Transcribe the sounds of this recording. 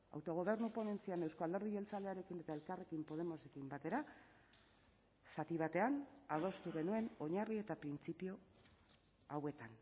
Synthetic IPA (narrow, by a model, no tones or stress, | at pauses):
a̰wt̪o̞ɣ̞o̞β̞e̞ɾnupo̞ne̞nt͡siane̞wskoald̪e̞ɾðiɣe̞lt͡sald̪e̞aɾe̞kine̞t̪ae̞lkare̞kimpo̞ð̞e̞mo̞se̞kimbat̪e̞ɾa | sat̪iβ̞at̪e̞anaðo̞st̪uɣe̞nue̞no̞ɲarie̞t̪apɾint͡sipio | awe̞t̪an